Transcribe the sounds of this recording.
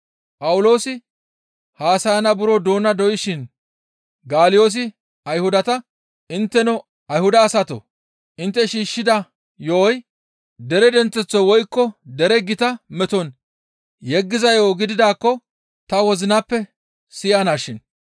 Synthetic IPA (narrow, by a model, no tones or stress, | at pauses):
pɐwʊlo̞ːsɪ | haːsɐjɐnɐbʊɾɔd̪o̞ːnɐd̪ɔʔɪʃɪn | ɡaːlɪjo̞ːs̬ɪ | ɐjhʊd̪ɐt̪ɐ | ɪnt̪ːɛnɔ | ɐjhʊd̪ɐːsɐt̪o̰ | ʔɪnt̪ːɛʃiːʃːɪd̪ɐ | jɔɔj | d̪ɛɾɛd̪ɛnt͡sːɛt͡sːɔwɔjkːɔd̪ɛɾɛɡɪt̪ɐmɛt̪ɔn | jɛɡːɪzɐjoːɡɪd̪ɪd̪aːkːɔ | t̪ɐwɔzɪnapːɛ | sɪjanaːʃɪn